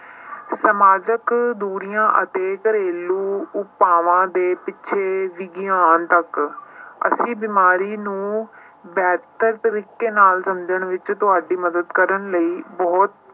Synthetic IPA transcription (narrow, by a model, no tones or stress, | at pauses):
səmaːd͡ʒəkd̪uːɾijãːʔət̪eːkəɾeːluːʊpaːʋãːd̪eːpɪtːʃʰeːʋɪɡɪjaːnt̪ək | ə̰sĩːbɪmaːɾiːnũː | bɛːt̪əɾt̪əɾiːkːeːnaːlsəmd͡ʒəɳʋɪt͡ʃt̪ʊɦaːɖiːməd̪əd̪kəɾəɳləiːbɔːt̪̚